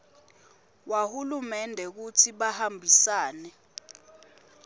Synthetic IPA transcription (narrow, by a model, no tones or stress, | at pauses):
wahulumɛndʱɛk̬utʰiɓahambʱisaːnɛ